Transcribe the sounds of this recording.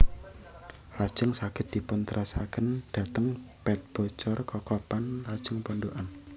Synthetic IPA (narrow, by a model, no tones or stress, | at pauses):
lad̥ʒ̥əŋsakɪt̪̚d̪̥i̤pʊnt̪ɾʔasaɡ̥ənd̥ä̤t̪əŋpɛt̪̚b̥ɔt͡ʃɔrkɔkɔpanlad̥ʒ̥əŋpɔnɖoʔan